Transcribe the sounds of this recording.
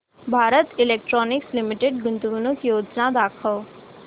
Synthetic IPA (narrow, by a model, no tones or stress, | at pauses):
bʱaːɾət̪ɪleːk̚ʈɾɔːnɪkslɪmɪʈeɖ̚ɡʊnt̪ɡunõkijoːd͡ʒnad̪aːkʰəl